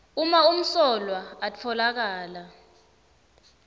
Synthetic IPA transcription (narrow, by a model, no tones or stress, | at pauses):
umaum̩sɔlwaːt͡ɬʰɔlak̬aːla